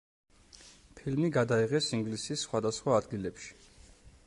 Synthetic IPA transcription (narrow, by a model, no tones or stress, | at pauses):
pʰilmiɡad̪aiʁɛsiŋɡlisisːχwad̪asχwaːd̪ɡilɛpʃi̥